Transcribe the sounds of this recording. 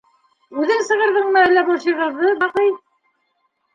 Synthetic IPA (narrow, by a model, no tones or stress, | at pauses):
ʉðɘŋsɤ̆ʁɤ̆ɾðɤɴmæælːæbuɕɤ̆ʁɤ̆ɾðɤbɑqɤj